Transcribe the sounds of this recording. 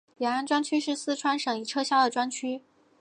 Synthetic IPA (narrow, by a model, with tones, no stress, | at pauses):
jjɛ˨˩a˥˩nʈ͡ʂwa˥nt͡ɕʰy˥ʂɻ̩˥˧sɹ̩˥˧ʈ͡ʂʰwa˥nʂɤ˨˩ŋi˨˩ʈ͡ʂʰɤ˥ɕja˥˩d̪ə˩ʈ͡ʂwa˥nt͡ɕʰy˥